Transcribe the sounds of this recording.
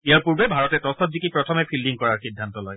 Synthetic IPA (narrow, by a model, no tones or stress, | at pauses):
ijaɹpuɹbɛbʱaɹɔtɛtɔsɔtzikipɹɔtʰɔmɛpʰildiŋkɔɹaɹxidʱːantɔlɔj